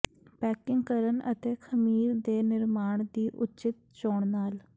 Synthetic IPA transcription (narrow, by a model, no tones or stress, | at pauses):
pɛːkɪŋɡkəɾənə̰t̪eːkʰəmiːɾd̪eːnɪɾmaːɳ̃d̪iːʔʊt͡ʃɪt̪̚t͡ʃoːɳnaːl